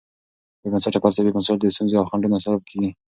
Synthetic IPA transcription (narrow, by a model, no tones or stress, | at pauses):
bemansaʈapalsabemasald̪əst̪unzeawxaɳɖunasabab̚kʰeɡi